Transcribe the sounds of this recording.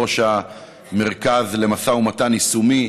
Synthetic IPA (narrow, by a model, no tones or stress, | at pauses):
oʃa | me̞ʁkazle̞masaumatanisumi